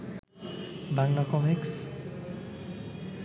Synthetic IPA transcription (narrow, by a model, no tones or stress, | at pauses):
baŋlakɔmiks